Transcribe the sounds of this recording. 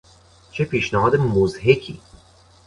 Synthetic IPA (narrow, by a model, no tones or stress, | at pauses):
t͡ʃʰepʰiːʃnæɦɒːd̪emozɦekʰḭː